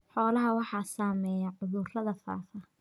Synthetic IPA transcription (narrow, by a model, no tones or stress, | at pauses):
ħɔːlɐɦɐwɑħɑːsaːmɛːjɐʕʊðʊrlɐðɐfa̰ːfɐ